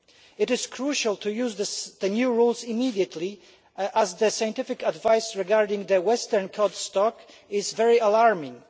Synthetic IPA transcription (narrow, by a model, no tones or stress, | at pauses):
ɪɾɪz̥kʰɹuʃalˠt̪ʰujuzðəðənjuɹulˠzɪmidiət̪ʰli | ʔazðəsaj̃ntɪfɪkadvajsɹɛɡaɹdɪ̃ŋðəwɛstəɹnkʰɔdstɔk | ɪzvɛɹialaɹmɪ̃ŋ